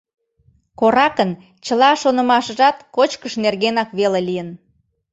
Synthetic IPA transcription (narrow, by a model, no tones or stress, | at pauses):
koɾɑkən | t͡ɕəlɑʃonə̆mɑʃəʒɑt̪kot͡ɕkəʃnerɣenɑkβelelijən